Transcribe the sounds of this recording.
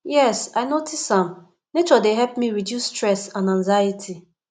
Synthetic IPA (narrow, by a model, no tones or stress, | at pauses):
jɛsaɪnotʰisãm | net͡ʃɔdeɦɛp̚miɹidjusstɹɛsãnãnzajitʰi